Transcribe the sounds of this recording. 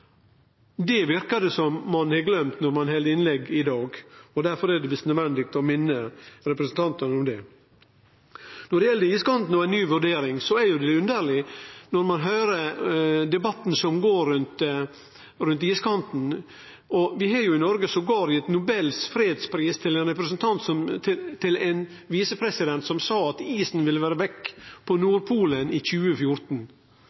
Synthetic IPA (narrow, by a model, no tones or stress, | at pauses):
d̪ɛʋɪɾkɑd̪ɛsɔmːɑnhɛɡlœmt̪nɔɾmɑnɦɛləɪnlɛɡːɪd̪ɑːɡɔd̪æɾfɔɾæd̪ɛʋɪst̪nœd̪ʋɛnd̪ɪk̚t̪ɔmɪnːəɾɛpɾəsnt̪ʰɑnt̪ənəɔmd̪ɛ | nɔɖɛɪjɛlːəiːskʰɑnt̪n̩ɔæɪnyːʋʉɖeːɾɪŋsɔæɾjʊd̪ɛʉnd̪æɾlɪnɔɾmɑnɦœːɾəd̪ɛbɑt̪ːn̩sɔmɡoːɾʉnt̪ | ɾʉnt̪iːskʰɑnt̪n̩ | ʔɔʋɪɦɑɾjʊɪnɔɾɡəsɔɡoːɾɪɛt̪nʊbɛlsfɾeːd̪spɾiːst̪ʰɪlɛnɾɛpɾəsnt̪ʰɑnt̪sɔmt̪ʰɪlɛn | ʋiːsəpʰɾɛsɪd̪ɛnt̪sɔmsɑːɑt̪iːsn̩ʋɪlʋæːɾəʋɛkːpʰɔnuːɾpʰuːlənɪçʉːəfjʊɾt̪n̩